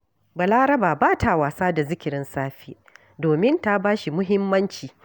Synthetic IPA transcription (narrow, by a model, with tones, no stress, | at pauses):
ba˨laː˦ɾɐ˦baː˨baː˦tʰa˨waː˨saː˦da˨zɪ˦kʲɪ˨ɾɪ˦nsaː˦ɸiː˦ | doː˨mɪ˦nta˦baː˦ʃi˨mʊ˦ɦɪ˦mːɐ˦nt͡ʃiː˨